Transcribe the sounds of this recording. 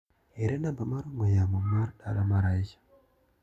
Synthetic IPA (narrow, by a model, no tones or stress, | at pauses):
eɾenambamaɾuŋojamomaɾɗaɾamaɾaiʃḁ